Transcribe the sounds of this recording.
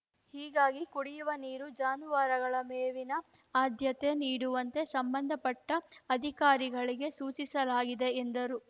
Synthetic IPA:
hiːɡaːɡikuɽijuʋɐniːɾud͡ʒaːnuʋaːɾɐɡɐɭɐmeːʋinɐ | aːd̪ʱjɐt̪e̞niːɽuʋɐnt̪e̞sɐmbɐnd̪ʱɐpɐʈːɐːd̪ʱikaːɾiɡɐɭiɡe̞suːt͡ʃisɐlaːɡid̪e̞ːnd̪ɐɾu

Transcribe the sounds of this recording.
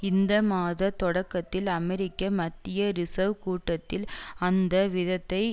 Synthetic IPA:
ɪnd̪ɐmaːðɐt̪ɔɽɐkːɐt̪ːɪlɐmɛɾɪkːɐmɐt̪ːɪjɐɾɪsɐʋkuːʈːɐt̪ːɪlɐnd̪ɐʋɪðɐt̪ːɐɪ

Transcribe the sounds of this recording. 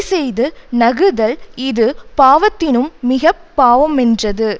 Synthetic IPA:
sɛjðɯnɐɣɯðɐlɪðɯpaːʋɐt̪ːɪnɯmːɪɣɐpːaːʋɐmɛndrɐðɯ

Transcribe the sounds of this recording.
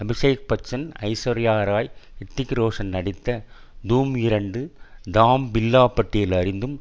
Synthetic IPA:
ɐbɪʂɐjɐk̚pɐt͡ʃːɐnɐ̰ɪsɐɾɪjaːɾaːjɪt̪ːɪkɾoːʂɐnnɐɽɪt̪ːɐ | d̪uːmɪɾɐɳɖɯd̪aːmbɪlːaːpːɐʈːɪjɪlɐɾɪnd̪ɯm

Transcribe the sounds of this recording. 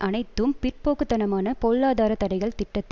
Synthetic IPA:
ʔɐnɐɪt̪ːɯmpɪr̚poːkɯt̪ːɐnɐmaːnɐpoːlːaːðaːɾɐt̪ɐɽɐɪɣɐɭt̪ɪʈːɐt̪ː

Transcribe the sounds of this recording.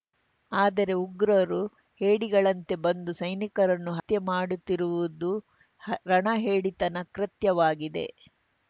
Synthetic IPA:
aːd̪ɐɾe̞uɡɾɐɾu | heːɽiɡɐɭɐnt̪e̞bɐnd̪usɐjnikɐɾɐnːuɦɐt̪jɐmaːɽut̪ːiɾuʋud̪u | ɾɐɳɐɦeːɽit̪ɐnɐkɾɐt̪jɐʋaːɡid̪e̞̰

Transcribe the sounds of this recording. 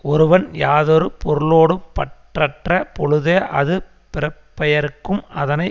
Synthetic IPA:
ɔɾɯʋɐnjaːðoɾɯpɔɾɯɭoːɽɯpːɐʈrɐʈrɐpɔɻɯðeʔɐðɯ | pɪɾɐpːɐjɐɾɯkːɯmɐðɐnɐɪ

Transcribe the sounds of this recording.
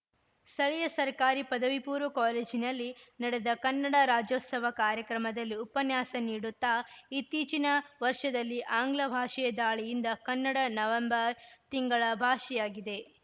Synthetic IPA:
st̪ɐɭɛjɐsɐɾkaːɾipɐd̪ɐʋipuːɾʋɐkaːleːd͡ʒinɐlːinɐɽed̪ɐkɐnːɐɽɐɾaːd͡ʒoːt̪sɐʋɐkaːɾjɐkɾɐmɐd̪ɐlːiupɐnjaːsɐniːɽut̪ːaːit̪ːiːt͡ʃinɐʋɐɾʂɐd̪ɐlːiʔaːŋɡlɐbʱaːʂɐjɐd̪aːɭijind̪ɐkɐnːɐɽɐnɐʋɐmbɐɾt̪iŋɡɐɭɐbʱaːʂɛjaːɡid̪e̞

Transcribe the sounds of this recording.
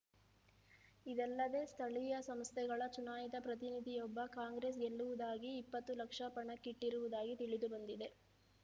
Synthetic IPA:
id̪ɛlːɐd̪e̞ːst̪ʰɐɭijɐsɐmst̪ʰɛɡɐɭɐt͡ʃunaːjid̪ɐpɾɐt̪̬inid̪ʱijɔbːɐkaːŋɡɾeːs̬ɡelːuʋud̪aːɡiːpːɐt̪ːulɐkʂɐpɐɳɐkːiʈːiɾuʋud̪aːɡit̪iɭid̪ubɐnd̪id̪e̞

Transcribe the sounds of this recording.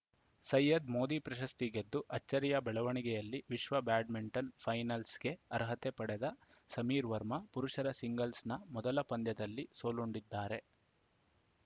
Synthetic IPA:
sɐjːɐd̪mo̞ːd̪ipɾɐʃɐst̪iɡed̪ːuʔɐt͡ʃːɐɾijɐbɛɭɐʋɐɳiɡɛjɐlːiʋiʃʋɐbaːɖmiɳʈɐnpʰɐjnɐlsɡe̞ɐɾɦɐt̪epɐɽed̪ɐ | sɐmiːɾʋɐɾmɐpuɾuʂɐɾɐsiŋɡɐlsnɐmɔd̪ɐlɐpɐnd̪jɐd̪ɐlːisoːluɳɖid̪ːaːɾe̞

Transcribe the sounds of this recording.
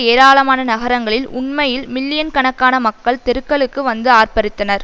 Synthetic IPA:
eːɾaːɭɐmaːnɐnɐɣɐɾɐŋɡɐɭɪlʊɳmɐjɪlmɪlːɪjɐnkɐɳɐkːaːnɐmɐkːɐɭt̪ɛɾɯkːɐɭɯkːɯʋɐnd̪ɯaːrpɐɾɯt̪ːɐnɐɾ

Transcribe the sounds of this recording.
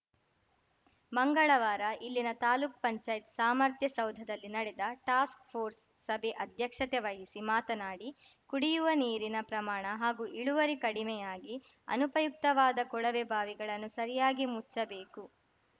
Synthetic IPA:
mɐŋɡɐɭɐʋaːɾɐʔilːinɐt̪aːluːk̚pɐɲt͡ʃaːjt̪saːmɐɾt̪jɐsɐwd̪ʱɐd̪ɐlːinɐɽɛd̪ɐʈaːskpʰoːɾsːɐbʱeʔɐd̪ʱjɐkʂɐt̪eʋɐjisimaːt̪ɐnaːɽikuɽijuʋɐniːɾinɐpɾɐmaːɳɐɦaːɡuʔiɭuʋɐɾikɐɽimɛjaːɡi | ɐ̰nupɐjuk̚t̪ɐʋaːd̪ɐkɔɭɐʋebʱaːʋiɡɐɭɐnːusɐɾijaːɡimut͡ʃːɐbeːku

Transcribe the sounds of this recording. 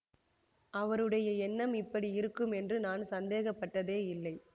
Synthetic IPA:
ʔɐʋɐɾɯɽɐjɐɛnːɐmɪpːɐɽiɪɾɯkːɯmɛndrɯnaːnsɐnd̪eːɣɐpːɐʈːɐðeːɪlːɐɪ

